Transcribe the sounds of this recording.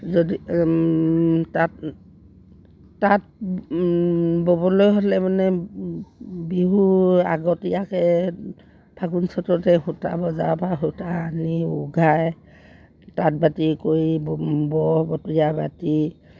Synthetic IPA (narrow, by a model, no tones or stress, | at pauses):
zodi | tat | at̚ | bɔbɔlojɦɔlɛmanɛ | biɦua̰ɡɔtijakɛ | b̥ʰʱaɡunsɔtɔtɛhuta̰bɔzapaɦutaːniuɡʱaj | tat̚batikoɹibbɔbɔtijabati